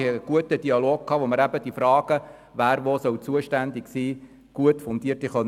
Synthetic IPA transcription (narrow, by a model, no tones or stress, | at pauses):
hɛɡ̥uətədiɑloːɡ̚kʰːɑːʋoməɾæbəd̥ifɾɑːɡ̥ə | ʋæːɾʋosœwt͡suəʃtænd̪iksiː | ɡ̥uətfʊnd̪iərtiχœn